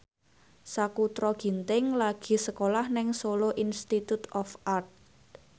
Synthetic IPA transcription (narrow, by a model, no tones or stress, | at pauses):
sakut̪ɾɔɡ̥i̤nt̪ɪŋlaɡ̥i̤səkolahnɪŋsoloʔinst̪it̪ut̪ɔfart̪̚